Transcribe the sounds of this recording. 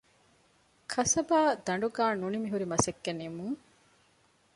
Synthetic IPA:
kʰɐsɐbaːd̪ɐɳ̆ɖuɡaːnunimiɦuɾimɐsekːenimuŋ

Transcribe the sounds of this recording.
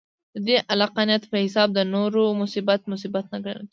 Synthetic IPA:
d̪əd̪eʔalaqanijat̪pəhɪsɑb̚d̪ənoɾomʊsibat̪mʊs̬ibat̪̚naɡə̰n

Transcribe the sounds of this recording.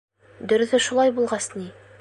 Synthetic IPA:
d̪ɵ̆ɾɵ̆ðɵʃulˠɑjbulˠʁɑsni

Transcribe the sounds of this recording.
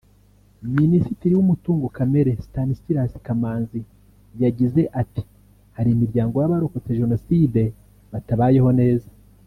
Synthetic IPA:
minisitiɾiwumutuːŋɡokameɾe̞stanistiɾasi̥kamaːnzi | jaɟize̞ʔati̥ | haɾimiɾɟaːŋɡo̞jaβaɾoko̞t͡se̞ʒe̞no̞side̞ | βataβaːje̞ho̞ne̞ːza

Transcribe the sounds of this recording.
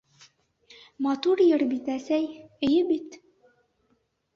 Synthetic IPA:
mɑt̪uɾjɤɾbit̪æsæjɘ̆jɘbit̪

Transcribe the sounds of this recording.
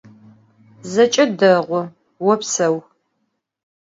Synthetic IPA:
zɐt͡ʃʼɐdɐʁʷʊ | wɔpsɐw

